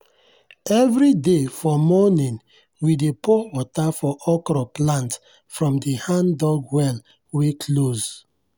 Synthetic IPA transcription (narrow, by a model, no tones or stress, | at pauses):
ɛvɾidefɔmɔnĩn | widepowɔtafɔʔɔkɾɔplãnt | fɹɔ̃mdihãndɔɡwɛl | wekʰloz